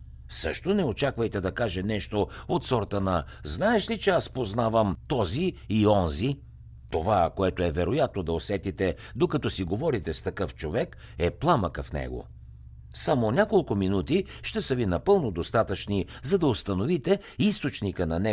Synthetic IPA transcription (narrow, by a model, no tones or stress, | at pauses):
sɤ̰ʃt̪onɛot͡ʃakvəjt̪ɛd̪ɐkaʒɛnɛʃt̪oot̪sɔɾt̪ənɐ | znaɛʃlit͡ʃɛaspoznavəmt̪ɔziiɔnzi | t̪ovakoɛt̪oɛvɛɾojat̪̚nod̪ɐosɛt̪it̪ɛ | d̪okɐt̪ɔsiɡovɔɾit̪ɛst̪ɐkɤft͡ʃovɛk | ɛplˠaməkəfnɛ̰ɡo̰ | samonʲakolˠkʊminut̪iʃt̪ɛsəvinɐpɤlˠnod̪ost̪at̪ət͡ʃnizɐd̪ɐost̪ɐnovit̪ɛ | ist̪ot͡ʃnikənɐnɛ